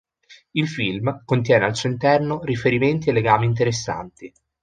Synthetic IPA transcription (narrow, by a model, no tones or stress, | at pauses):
ilfilmkont̪̬jɛːnealsuːint̪ɛrnoɾifeɾiment̪̬ielːeɡaːmint̪̬eɾesːa̰nt̪i